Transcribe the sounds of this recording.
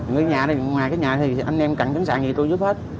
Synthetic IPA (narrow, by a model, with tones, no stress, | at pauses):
ŋɨ˨˩˨ɲaː˨˩n˨˩ŋwaː˨˩jkaː˨˦ɲaː˨˩t̪ʰi˨˩ʔə˧nʔɛ˧mka˧˩ŋt͡ɕə˨˦ŋsa̰ː˧˩ŋɲi˨˩t̪u˧jzu˦˥p̚he˦˥t̚